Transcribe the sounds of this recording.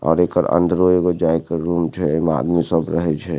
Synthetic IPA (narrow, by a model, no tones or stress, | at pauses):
ɔ̰ːɾekəɾə̰̃nd̪ɾoekod͡ʒaːjkəɾɾuːmt͡ʃʰɛma̰ːd̪misəbɾəɦɛt͡ʃʰɛ